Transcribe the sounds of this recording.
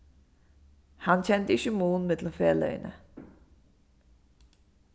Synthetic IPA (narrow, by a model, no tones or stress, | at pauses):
hɑnçɛnt̪əɪçəmuːnmɛd̪ʰl̩ɔmfeːlœ̰ʏnə̰